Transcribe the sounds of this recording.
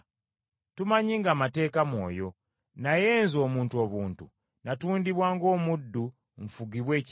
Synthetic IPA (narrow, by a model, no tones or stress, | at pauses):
tumaɲiŋɡaːmate̞ːkamwo̞̰ːjo̞ | naje̞ːnzo̞ːmuːntuo̞βuːntṵ | natuːndiβwaːŋɡo̞ːmudːu | ɱfuɡiβwe̞ːc